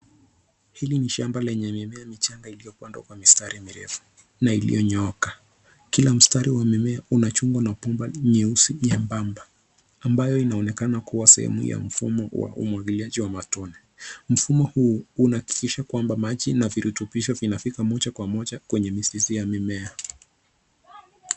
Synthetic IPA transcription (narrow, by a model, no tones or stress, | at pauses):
hiliniʃambalɛɲɛmimɛamit͡ʃaŋɡailijɔkuandɔ̰kwamistaɾimiɾɛ̰fu̥ | nailḭjɔɲɔɔkḁ | kilam̩staɾiwamimɛaunat͡ʃuŋɡɔnapumbaɲɛusiɲɛmbamba | ambajɔinaɔnɛkanakuwasɛ̰hɛ̰mṵja̰m̩fumɔwa̰ṵmwaɡiliaʄiwamatɔnɛ | m̩fumɔhuunaaki̥kiʃakwambamaʄinaviɾutupiʃɔvinafikamɔʄakwamɔʄakwɛɲɛmisizijamimɛa